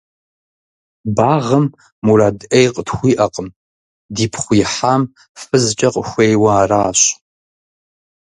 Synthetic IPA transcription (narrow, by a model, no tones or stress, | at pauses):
baːʁɐmː | uɾaːdʔejqʼətxʷiːʔɐqʼəm | diːpʰχʷʊjħaːm | fɨzt͡ʃʼɐqʼəxʷejwɐaːraːɕ